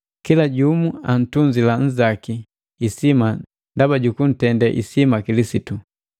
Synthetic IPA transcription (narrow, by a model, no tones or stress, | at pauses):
kilaɟumuan̩tuɲd͡ʒilan̩zakiː | sima | ndabaɟukun̩tɛndɛʔḭsimakilisitu